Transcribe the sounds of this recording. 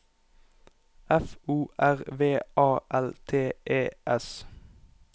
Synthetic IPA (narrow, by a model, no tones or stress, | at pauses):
ɛfuːʔæʁʋeːʔɑːʔɛlt̪ʰeːʔeːʔɛs